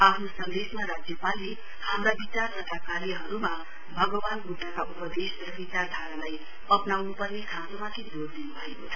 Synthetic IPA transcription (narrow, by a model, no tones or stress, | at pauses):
apʰnosʌnd̪esmaɾad͡zjʌpali | hamrabit͡sarnʌʈakalɦʌɾuma | bʱʌɡʌbanɡuʈːakaʔupʌd̪esrʌbit͡sard̪ʱaɾalaj | ʌpnawnupʌrnekʰãt̪omak̪ʰid͡zord̪inubʱʌekot͡sʰʌ